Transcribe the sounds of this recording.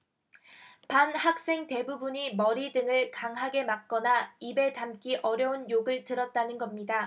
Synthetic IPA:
panhak̚s͈e̞ŋte̞bubuɲimʌɾidɯŋɯɭkaŋɦaɡe̞mak̚k͈ʌnaibe̞tamk͈iʔʌɾjʌunjoɡɯɭtɯɾʌt̚t͈anɯnɡʌmɲida

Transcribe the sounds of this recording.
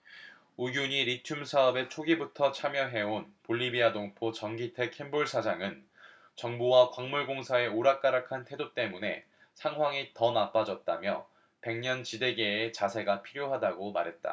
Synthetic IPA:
uɡjuɲiɾitʰumsʰaʌbe̞t͡ɕʰoɡibutʰʌt͡ɕʰamjʌɦe̞onpoʎːibianoŋpʰot͡ɕʌŋɡitʰe̞kʰe̞mbuɭsʰad͡ʑaŋɯn | t͡ɕʌŋbuwakwaŋmuɭɡoŋsʰae̞oɾak͈̚aɾakʰantʰe̞dot͈e̞mune̞̰ | sʰaŋɦwaŋitʌnap͈ad͡ʑʌt̚t͈amjʌ | pe̞ŋɲʌnt͡ɕide̞ɡe̞ːt͡ɕasʰe̞ɡapʰiɾjoɦadaɡoma̰ɾɦe̞t̚t͈a̰

